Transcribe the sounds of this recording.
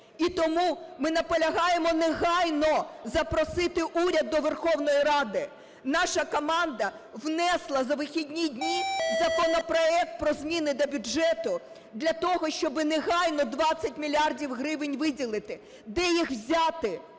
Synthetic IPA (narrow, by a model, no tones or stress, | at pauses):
it̪ɔmumɪnɐpɔlʲɐɦɑjemɔnɛɦɑjnɔzɐpɾɔsɪt̪ɪʔuɾʲɐd̪ːɔʋerxɔwnɔjiɾɑd̪ɪ | nɑʃɐkɔmɑnd̪ɐ | ʋnɛslˠɐzɐʋɪxʲidʲnʲidʲnʲizɐkɔnɔpɾɔɛk̚t̪̚pɾɔzmʲinɪd̪ɐbʲʊd͡ʒɛt̪ʊ | d̪lʲɐt̪ɔɦɔʃt͡ʃɔbɪnɛɦɑjnɔd̪ʋɑt͡sʲːɐtʲmʲilʲiardʲiwɦɾɪʋɪnʲʋɪdʲilˠɪt̪ɪ | d̪ɛjixwzʲat̪ɪ